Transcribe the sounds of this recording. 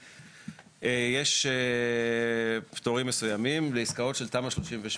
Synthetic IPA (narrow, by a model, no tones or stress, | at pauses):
ejeʃe | ptoʁimːesujamimleiskao̞tʃe̞lt̪amaʃlo̞ʃimveʃ